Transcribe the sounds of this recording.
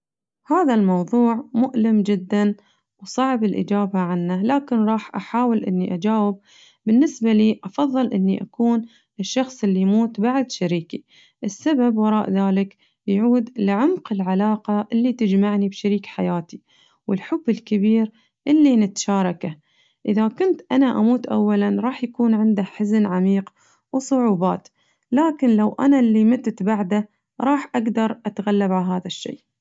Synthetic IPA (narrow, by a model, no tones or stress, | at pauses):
haːðalmɑwðˤuːʕmʊʔlɪmd͡ʒɪd̪ːan | wsˤɑʕbɪlʔɪ̰d͡ʒaːbaʕanːalaːkɪnɾˤɑːħʔaħaːwɪlʔɪ̰nːiʔad͡ʒaːwɪb̚ː | ɪnːɪsbaliːʔɑfɑðˤːɨlʔɪnːiʔakuːn | ɪʃːɑxsˤʔɪlːimuːt̪baʕd̪ʃaɾiːki | ʔɪsːababwɑɾˤɑːʔðaːlɪk | jʕuːd̪lɪʕʊmqɪlʕalaːqɑʔɪlːit̪ɪd͡ʒmaʕnibʃaɾiːkħajaːt̪i | wɪlħʊbːɪlkɪbiːɾ | ʔɪlːinɪt̪ḁʃaːɾˤɑka | ʔɪðakʊnt̪ʔanaʔamuːt̪ʔa̰wːalanɾˤɑːħjakuːnʕɪnd̪aħaznʕamiːq | wsˤʊʕuːbaːt̪ | laːkɪnlawʔa̰nalːimɪt̪t̪baʕd̪a | ɾˤɑːħʔaɡd̪ɑɾˤʔat̪ɣalːabʕalɦaːðaʃːḛː